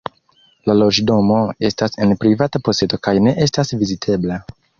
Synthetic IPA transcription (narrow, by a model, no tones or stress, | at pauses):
lalo̞d͡ʒdo̞mo̞e̞stase̞npɾivatapo̞se̞to̞kajne̞ʔe̞stasvizitʰe̞bla